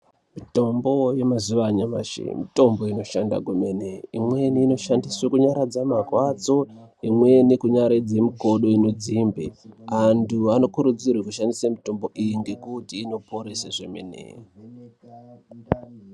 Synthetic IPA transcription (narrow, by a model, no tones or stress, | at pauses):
mito̞mbo̞je̞mazuʋaɲama̰ʃḛmito̞mbo̞ino̞ʃanda̰ɡʱumeneimwe̞niːno̞ʃandiswekuɲaɾad͡zamakwat͡so̞ | imwe̞nikuɲaɾed͡ze̞miko̞ɗo̞inod͡zimbḛantʰuano̞kuɾud͡zirwekuʃandisamito̞mbo̞ʔijiŋɡe̞kutiːno̞pʰo̞ɾeseʐemḛnḛ